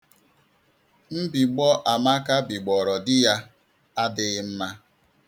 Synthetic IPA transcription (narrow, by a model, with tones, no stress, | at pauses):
m̩˦bi˨ɡ͡bɔ˦ʔa˨ma˦ka˦bi˨ɡ͡bɔ˨ɾɔ˨dɪ˦ja˦ | a˦dɪ˨ɣɪ˦m̩˦ma˦